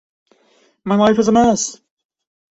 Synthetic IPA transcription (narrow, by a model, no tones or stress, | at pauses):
maɪlaɪfɪzəmɜˑs